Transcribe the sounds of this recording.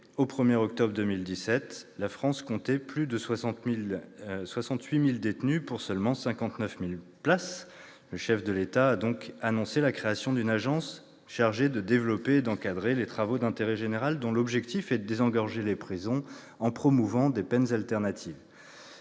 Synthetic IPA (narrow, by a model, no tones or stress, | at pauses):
opχəmjɛʁɔk̚t̪ɔbʁd̪əmild̪isɛt̪lafχɑ̃skɔ̃t̪ɛplyd̪əswã | swasɑ̃t̪ɥimild̪et̪nypuʁsœlmɑ̃sɛ̃kɑ̃t̪nœfmilplas | ləʃɛfd̪əlet̪aːd̪ɔ̃kanɔ̃selakχeasjɔ̃d̪ynaʒɑ̃s | ʃaʁʒed̪əd̪evlɔpeːd̪ɑ̃kad̪ʁelet̪χavod̪ɛ̃t̪eʁɛʒeneʁald̪ɔ̃lɔbʒɛk̚t̪ifɛd̪əd̪ezɑ̃ɡɔʁʒelepχizɔ̃ | ɑ̃pχɔmuvɑ̃d̪epɛnzalt̪ɛʁnat̪ʰiv